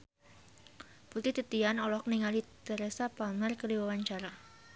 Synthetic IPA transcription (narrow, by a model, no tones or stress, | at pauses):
put̪iht̪it̪ianɔlɔhkniŋalit̪əɾɛsapamərkədiwawaɲt͡ʃaɾa